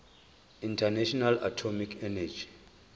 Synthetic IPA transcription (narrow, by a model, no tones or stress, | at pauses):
intʰanaʃɔnala̰tʰɔmikʰɛnad͡ʒi